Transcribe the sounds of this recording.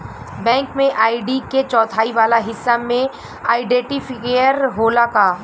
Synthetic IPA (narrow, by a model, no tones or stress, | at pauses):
bɛ̃ːŋkmẽʔaːiɖiket͡ʃɔːt̪ʰaːiʋaːlaɦɪsːamẽ | aːɪɖɛ̃ːʈifʰɪkeːəɾɦoːlakaː